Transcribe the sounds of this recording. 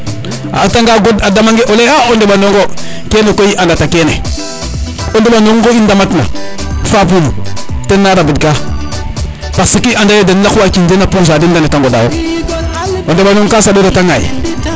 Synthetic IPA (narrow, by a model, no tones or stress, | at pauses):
a̰taŋɡaɡodadamaŋɡeʔoleaondeɓanoŋɡo | kenekojiʔandatakenḛ | ondeɓanoŋɡoindamatna̰ | fapumu | tenːaɾabidka | pasikiandajodanlakwakindenapos̬adindanetaŋɡodawo | ondeɓanoŋkasadoɾataŋaḭ